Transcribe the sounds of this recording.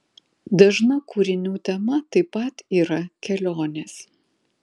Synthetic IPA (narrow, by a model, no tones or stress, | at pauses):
d̪ɐʒnɐkuːɾʲɪnʲuːt̪ʲɛmɐt̪ɐɪpɐˑt̪iːɾɐkʲɛlʲoːnʲeːs